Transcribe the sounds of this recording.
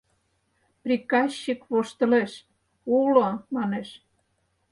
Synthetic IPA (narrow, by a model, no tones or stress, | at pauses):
prikɑɕːikβoʃt̪ə̆leʃ | ulomɑneʃ